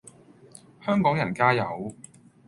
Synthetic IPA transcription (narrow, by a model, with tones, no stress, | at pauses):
hœː˥ŋkɔː˨˥ŋjɐ˨˩nkaː˥jɐ˨˧w